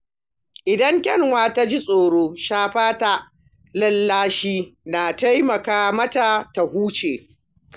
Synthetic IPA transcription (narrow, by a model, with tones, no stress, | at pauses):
ʔɪ˨dɐ˦ŋkʲʼɛ˦ŋwaː˦ta˦d͡ʒi˦sʼoː˨ɽoː˦ʃaː˦ɸaː˦ta˨ | lɐ˦lːaː˦ʃiː˦na˨ta˦jmɐ˨kaː˨mɐ˦ta˨ta˨huː˦t͡ʃeː˨